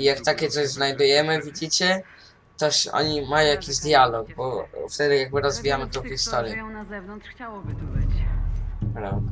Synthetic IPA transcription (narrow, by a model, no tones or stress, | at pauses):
ijakt̪akʲɛt̪sɔʑznajd̪ujɛmɘvʲid͡ʑit͡ɕɛ | t̪ɔʂɔ̰ɲimajɔ̃w̃jakʲiʑd̪jalɔɡ̚bɔft̪ɛd̪ɘjaɡ̚bɘɾɔzvʲijamɘt̪ɔ̃wxʲist̪ɔɾjɛɛvnt͡ɕawɔt̪b | bɾa̰vd̪a